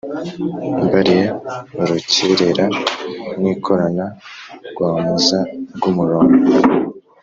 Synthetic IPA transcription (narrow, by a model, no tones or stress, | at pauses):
mbaɾijauɾuciɾeɾa | niːkʰo̞ɾanaɾɡwaːmuzaɾɡumuɾoːno